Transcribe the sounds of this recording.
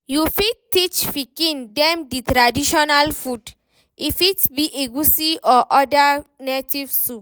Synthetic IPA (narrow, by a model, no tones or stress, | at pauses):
jufidtːit͡ʃfikĩndɛmditɾadiʃɔnalfud | ifitbiʔeɡusiɔʔɔdanetivsup